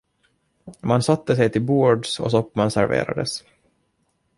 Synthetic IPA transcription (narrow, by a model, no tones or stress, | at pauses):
mansat̪ːəsɛjt̪ʰɪlbuːɖsɔ̰sɔpːmansæɾvḛːɾa̰d̪əs